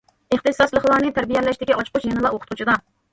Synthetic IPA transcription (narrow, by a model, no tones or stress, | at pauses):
eχt̪ɨsɑslˠəχlˠɑɾnɨt̪ʰæɾbijɛlːɛʃt̪ɪkʲiɑt͡ʃʰqʊt͡ʃjɛnɨlˠɑoqʰʊt̪̚ʰʊt͡ʃʰɪd̪ɑ